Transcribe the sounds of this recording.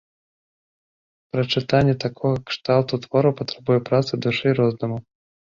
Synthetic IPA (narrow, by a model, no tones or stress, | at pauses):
pɾɐt͡ʂɨt̪anʲːɛt̪akʰɔɣɐkʂt̪alˠt̪ut̪vɔɾupɐt̪ɾɛbujɛpɾat̪sɨd̪uʂɨjɾɔznɐmu